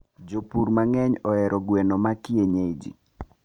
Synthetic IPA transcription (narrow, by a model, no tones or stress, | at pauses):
d͡ʒopuɾmaŋɛɲɔɛɾʔɔɡwenomakjeɲed͡ʒḭ